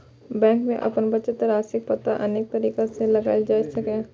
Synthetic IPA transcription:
bɛ̃ːŋkmẽʔɐ̰pənbɐt͡ʃət̪ːəɾaːsɪk̚pɐt̪ːaʔɐneːk̚t̪ɐɾiːkaselɐɡaːid͡ʒaːisɐkẽː

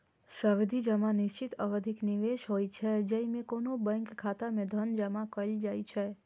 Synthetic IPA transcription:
səʋɪd̪ʱid͡ʒəmãnɪʃt͡ʃɪt̪əʋəd̪ʱikniʋeʃɦojt͡ʃʰɛd͡ʒəjmẽkonobɛ̃ŋkʰːat̪amẽd̪ʱənd͡ʒəmãkəld͡ʒajt͡ʃʰɛ

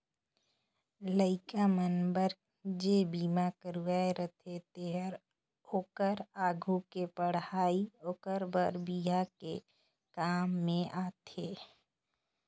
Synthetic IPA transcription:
ləɪkamənbəɾ | d͡ʒeːbiːmakəɾuaeɾət̪ʰet̪eɦəɾ | oːkəɾaːɡʱukepəɽhaːioːkəɾbəɾbiɦakḛ | kaːmːẽʔaːt̪ʰeː

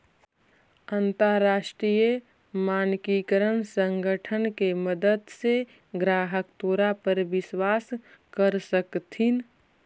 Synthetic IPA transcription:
ənt̪əɾːaːsʈɾijə | maːnkikəɾənsəŋɡʱəʈʰənkeməd̪əd̪se | ɡɾaːɦəkt̪oːɾapəɾʋɪswaːs | kəɾsəkt̪ʰin

